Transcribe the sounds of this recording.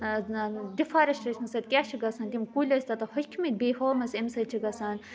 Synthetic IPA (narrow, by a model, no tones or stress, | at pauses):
d̪ifaːɾɐʃʈɾɐt͡ʃʰmɐsɐt̪kʲaːt͡ʃʰiɡɐsɐnt̪imkulʲɐsʲt̪ɐt̪ɐhʊkʲʰmit̪behoːmɐsɐmsɐt͡ʃʰiɡɐsaːn